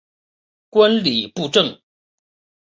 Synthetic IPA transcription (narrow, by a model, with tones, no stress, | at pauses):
kwa˦nli˨˩pu˥˧ʈ͡ʂɤ˥˩ŋ